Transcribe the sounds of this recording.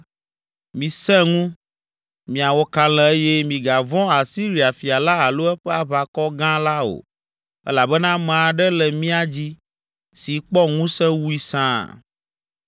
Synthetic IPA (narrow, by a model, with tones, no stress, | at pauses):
mĩ˨sɛ̃˦ŋũ˦ | mĩ˨a˨wɔ˦kã˦lɛ̃˨e˦jɛ˦mĩ˨ɡa˨vɔ̃˦a˨si˦ɾi˨a˨fi˨a˨la˦a˨lo˦ɛ˦ɸɛ˦a˦βa˨kɔ˦ɡã˦la˦o̰˨ | ɛ̰˦la˨bɛ˦nã˦mã˨a˨ɖɛ˦lɛ˨mĩ˦a˨d͡ʑi˦ | si˨k͡pɔ˦ŋũ˦sɛ̃˦wu˦i˦sã̰˦˨